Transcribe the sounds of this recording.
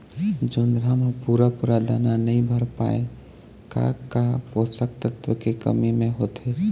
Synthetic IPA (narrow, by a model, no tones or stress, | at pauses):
d͡ʒʊnd̪ɾamẽpuɾapʊɾad̪aːnanəɦĩbʱəɾpa̰ːḛ | ka̰kaosək̚t̪ət̪wəkekə̰mimẽɦoːt̪e